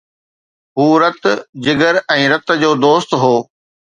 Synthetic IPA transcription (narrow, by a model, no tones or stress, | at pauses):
ɦuːɾɐt̪d͡ʑɪɡəɾɛ̃ːɾɐt̪̆d͡ʑoːd̪oːst̪ɦoː